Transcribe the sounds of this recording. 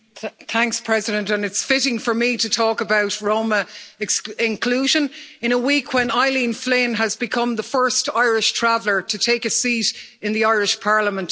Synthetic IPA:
θæ̃ŋkspʰɹ̥ɛzɪɾə̃ntə̃nɪtsfɪɾɪ̃ŋfə˞miɾətʰɔːkəbaʊtɹõʊ̃məsɪ̃nkʰl̥uːʒə̃nɪ̃ñəwikʰwə̃naɪlĩnflɪ̃nəzbɪkʰʌ̃mðəfɜ˞staɪɹɪʃtʰɹ̥avlə˞tʰətʰeɪkəsiɾ | ɪ̃nðiaɪɹɪʃpʰɑɹləmə̃nt

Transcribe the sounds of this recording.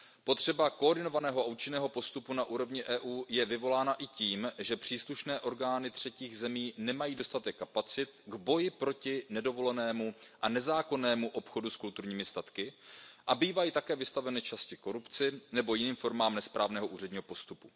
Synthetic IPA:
po̞t̪r̥ɛbakoːɾdɪno̞vanɛːɦoʔauːt͡ʃɪnɛːɦo̞po̞st̪upunaʔuːɾo̞vɲɪʔɛːʔuːjɛvɪvo̞laːnaʔɪciːmʒɛpr̝̥iːsluʃnɛːʔo̞ɾɡaːnɪt̪r̝̥ɛciːɣzɛmiːnɛmajiːdo̞st̪at̪ɛkːapat͡sɪt̪ɡbo̞jɪpɾo̞cɪnɛdo̞vo̞lɛnɛːmuʔanɛzaːko̞nɛːmuʔo̞pxo̞duskult̪uɾɲiːmɪst̪at̪kɪʔabiːvajiːt̪akɛːvɪst̪avɛnɪt͡ʃascɪko̞ɾupt͡sɪnɛbo̞jɪniːmfo̞ɾmaːmnɛspɾaːvnɛːɦo̞ʔuːr̝ɛdɲiːɦo̞po̞st̪upu

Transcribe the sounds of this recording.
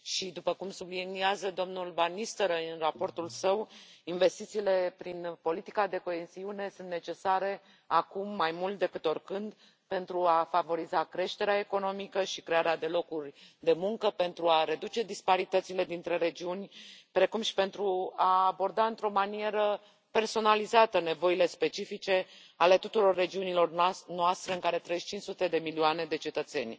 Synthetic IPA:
ʃid̪upəkumsubliniazəd̪o̞mnulvanist̪əɾəɨnrapo̞rt̪ulsəwinve̞st̪it̪siːle̞pɾinpo̞lit̪i̥kad̪e̞ko̞e̞ziune̞sunt̪ne̞t͡ʃe̞saɾe̞ | akumːajmult̪̚d̪e̞kɨt̪o̞rkɨnd̪ | pe̞nt̪ɾuafavo̞ɾizakɾe̞ʃt̪e̞ɾeae̞ko̞no̞mikəʃikɾe̞aɾead̪e̞lo̞kurʲd̪e̞muŋkəpe̞nt̪ɾuaɾe̞d̪ut͡ʃe̞d̪ispaɾit̪ət̪sile̞d̪int̪ɾe̞ɾe̞d͡ʒiunʲpɾe̞kumʃi̥pe̞nt̪ɾuaːbo̞rd̪aɨnt̪ɾo̞manie̞ɾə | pe̞rso̞nalizat̪əne̞vo̞ile̞spe̞t͡ʃifit͡ʃe̞ | ale̞t̪ut̪uɾo̞rːe̞d͡ʒiunilo̞rnoast̪ɾe̞ɨŋkaɾe̞t̪ɾəeʃt͡ʃint͡ʃsut̪e̞d̪e̞milioane̞d̪e̞t͡ʃe̞t̪ət̪se̞̰nʲ

